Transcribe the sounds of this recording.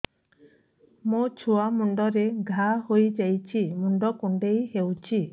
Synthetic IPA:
mũt͡ʃʰuamuɳɖɔɾeɡʱaɦojd͡ʒajt͡ʃʰimuɳɖɔkuɳɖejɦewt͡ʃʰi

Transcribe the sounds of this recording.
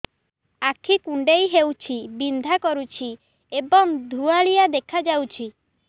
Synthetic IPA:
akʰikuɳɖejɦewt͡ʃʰibind̪ʱakɔɾut͡ʃʰi | ebɔŋd̪ʱuaɭijad̪ekʰad͡ʒawt͡ʃʰi

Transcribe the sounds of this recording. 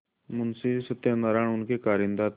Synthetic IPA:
mʊnsisət̪janaɾaːɳʊnkekaːɾind̪at̪

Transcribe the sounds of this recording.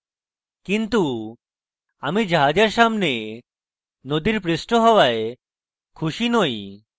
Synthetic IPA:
kint̪u | amid͡ʒaɦad͡ʒaɾʃamne | nod̪iɾpɾisʈoɦɔwae | kʰuʃinoj

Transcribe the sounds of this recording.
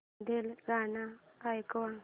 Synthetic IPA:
d̪ɛlɣanaːkʼwaŋ

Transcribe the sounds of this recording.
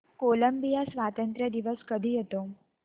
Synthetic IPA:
koləmbijasʋat̪ənt̪ɾjəd̪iʋəskəd̪ʱiɦet̪o

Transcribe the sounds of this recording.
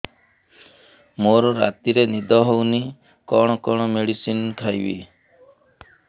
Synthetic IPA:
moɾɔɾa̰t̪iɾenid̪ɔɦowni | kɔɽ̃ɔkɔɽ̃ɔmeɽisinkʰajbḭ

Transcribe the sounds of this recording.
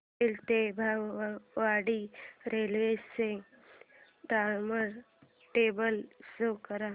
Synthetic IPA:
ɪlt̪ebʱaʋaːɽiɾeːlʋeːse | d̪aːɾməɾ | ʈeːbəlsokəɾaː

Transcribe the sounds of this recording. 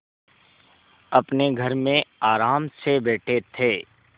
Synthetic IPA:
ɐpneɡʱɐɾmẽaːɾaːmsebeːʈʰet̪ʰeː

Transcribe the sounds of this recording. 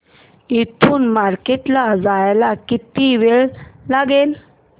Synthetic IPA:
it̪ʰuːnmaɾkeʈlad͡zajlakit̪iʋeɭlaɡel

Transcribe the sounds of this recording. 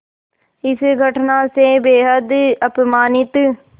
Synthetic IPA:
ɪsɡʱəʈʰnaːseːbeːɦəd̪əpmaːnɪt̪

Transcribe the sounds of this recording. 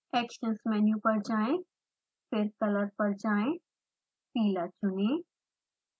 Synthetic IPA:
ɛːkʃənsmɛːnjũpɐɾd͡ʒaːẽ | pʰɪɾk̪ɐləɾpɐɾd͡ʒaːẽ | piːlat͡ʃʊnẽː

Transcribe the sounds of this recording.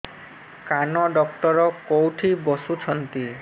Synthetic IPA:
kanɔɖɔkʈɔɾɔkowʈʰibɔsut͡ʃʰɔnt̪i

